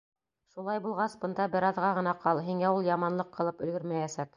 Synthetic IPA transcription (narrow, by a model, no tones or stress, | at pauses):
ʃulˠɑjbulˠʁɑsbɤ̆nd̪ɑbɘ̆ɾɑðʁɑʁɤ̆nɑqɑlˠɦiŋæulˠjɑmɑnlˠɤqʰːɤ̆lˠɤpɵ̆lɡɘɾmæjæsæk